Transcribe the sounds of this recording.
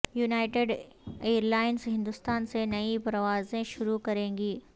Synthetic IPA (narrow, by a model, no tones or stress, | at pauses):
junaːɪʈeɖ | eːəɾlaːɪnzɦɪ̃nd̪ʊst̪aːnsenɐipɾɐʋaːzẽʃʊɾukɐɾẽːɡiː